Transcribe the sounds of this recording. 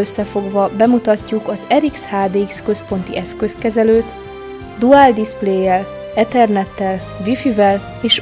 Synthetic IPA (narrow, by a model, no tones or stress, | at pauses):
øsːɛfo̞ɡvɒbɛmut̪ɒcːukɒzɛɾikshaːd̪ekskø̞spo̞nt̪iʔɛskø̞skɛzɛløːt̪ | d̪uald̪ispleːjːɛl | ɛt̪ɛrnɛt̪ːɛl | vifivɛl | eːʃ